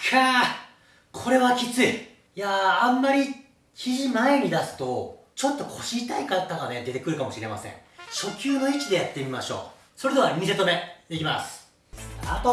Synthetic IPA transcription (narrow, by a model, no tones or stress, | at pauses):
kʰa | kʰo̞ɾe̞βakʲit͡sɨi | jãːmːaɾʲi | kʲʰiʑimae̞ɲ̟id̪asɨ̥t̪o̞ | t͡ɕo̞t̪ːo̞kʰo̞ɕiːt̪aikat̪ːaɡane̞d̪e̞t̪e̞kɯ̟ɾɯ̟kamo̞ɕiɾe̞ma̰sḛ̃ŋɕo̞kʲɨːno̞it͡ɕid̪e̞jat̪ːe̞mʲimaɕo̞̰ː | so̞ɾe̞d̪e̞aɲʲise̞t̪ome̞d̪e̞kʲimasɨ̥ | at̪o